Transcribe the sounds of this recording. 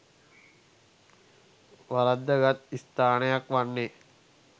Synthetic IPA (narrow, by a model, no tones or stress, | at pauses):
ʋaɾɐd̪ːəɡat̪ist̪aːnɐjakʋanːe